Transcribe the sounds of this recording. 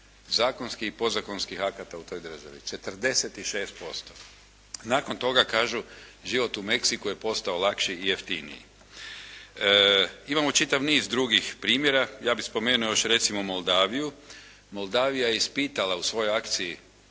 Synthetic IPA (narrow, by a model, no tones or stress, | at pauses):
zaːko̞nskixipo̞zako̞nskixakat̪aut̪o̞jd̪r̩ʒa̰ʋḭt͡ʃe̞t̪r̩d̪e̞set̪iʃe̞ːst̪̚po̞st̪o | naːko̞nt̪o̞ɡakaːʒuʒiʋo̞t̪ume̞ksikuje̞po̞st̪aolˠakʃiːje̞ft̪inḭjḭ | imamo̞t͡ʃit̪aʋniːzd̪ɾuɡixpɾiːmjeɾajaːbixspo̞me̞ːnuojo̞ʃɾe̞t̪simomo̞lˠd̪aːʋiju | mo̞lˠd̪aːʋijaje̞ispiːt̪alausʋo̞jojakt̪siji